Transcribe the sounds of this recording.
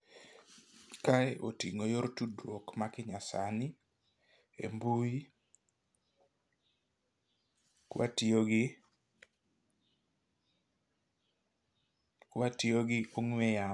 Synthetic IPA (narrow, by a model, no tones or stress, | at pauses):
kaɛʔotiŋojoɾtudɾwokmakɪɲasani | ḛmbui | kwʔa̰tioɡɪ | kwatioɡɪʔoŋwɛja